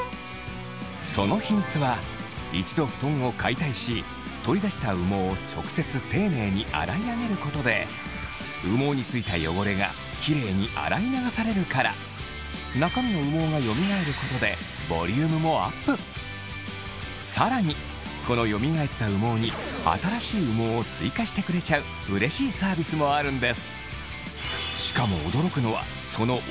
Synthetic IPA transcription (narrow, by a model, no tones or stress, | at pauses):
so̞no̞çiɲ̟it͡sɨβa | it͡ɕi̥d̪o̞ɸɯ̥t̪õ̞ŋ̃o̞kʰait̪aiɕi | t̪o̞ɾʲid̪aɕi̥t̪aɯ̟mo̞ːt͡ɕo̞̰kɯ̟̥se̞t͡sɨt̪e̞ːne̞ːɲ̟iʔa̰ɾaiaɡe̞ɾɯ̟ko̞t̪o̞d̪e̞ | ɯmo̞ːɲ̟it͡sɨit̪ajo̞̰ɡo̞ɾe̞ɡa̰ | kʲʰiɾe̞ːɲ̟iʔa̰ɾainaɡasaɾe̞ɾɯ̟kaɾa̰ | nakamino̞ɯ̟mo̞ːɡajo̞mʲiɡae̞ɾɯ̟ko̞t̪o̞d̪e̞ | bo̞̰ɾʲɯːmɯ̟mo̞a̰pːɯ̟ | saɾaɲ̟i | kʰo̞no̞jo̞mʲiɡae̞t̪ːaɯ̟mo̞ːɲ̟ia̰t̪aɾaɕiːɯmo̞ːt͡sɨikaɕi̥t̪e̞kɯ̟ɾe̞t͡ɕaɯ̟ | ɯ̟ɾe̞ɕiːsaːbʲisɨmo̞aɾɯ̟̃nd̪e̞sɨ̥ | ɕi̥kamo̞̰ːd̪o̞ɾo̞kɯ̟no̞βa̰ | so̞no̞